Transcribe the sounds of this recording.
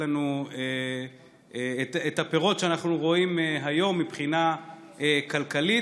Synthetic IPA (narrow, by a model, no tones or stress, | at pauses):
anue | etet̪hape̞ʁo̞tʃeanaχnuʁo̞imeɦajo̞mːipχina | ekalkali